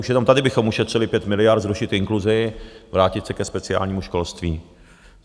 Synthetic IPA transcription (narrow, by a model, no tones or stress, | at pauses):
uʃjɛnamt̪adɪbɪxomuʃɛt̪r̝̥ɪlɪpjɛt̪mɪlɪjaɾt̪zɾuʃɪt̪ɪŋkluzɪvɾaːcɪt̪sɛkɛspɛt͡sɪa̰ːlɲiːmuʃko̞lst̪viː